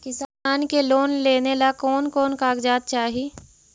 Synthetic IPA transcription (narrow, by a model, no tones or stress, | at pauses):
kɪsaːaːnkeloːnleːnelakɔːnkɔːnkaːɡd͡ʒaːd̪̚t͡ʃaːɦi